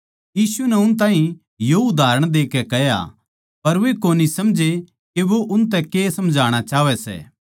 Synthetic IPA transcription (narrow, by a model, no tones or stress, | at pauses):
jiːsunɛʊnt̪ãːɦĩ | joʊd̪aːɾəɽ̃d̪eːkɛkɛja̰ | pɐɾʋekoːnisɐmd͡ʒʱe | keʋoʔʊnt̪ɛkeːsɐmd͡ʒʱaːɽ̃at͡ʃaːʋɛsɛ̰ː